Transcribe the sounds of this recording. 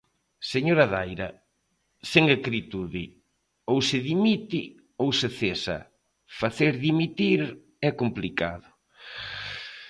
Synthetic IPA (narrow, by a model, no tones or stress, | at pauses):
seɲoɾɐðajɾɐ̰ | seŋekɾit̪uðɪ | owsɪðimit̪ɪ | owsɪθesɐ̰ | faθeɾðimit̪iɾ | ɛkomplika̰ðʊ